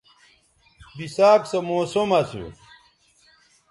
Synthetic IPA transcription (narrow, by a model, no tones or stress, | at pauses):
bisaːksɐmoːsomɐsṵ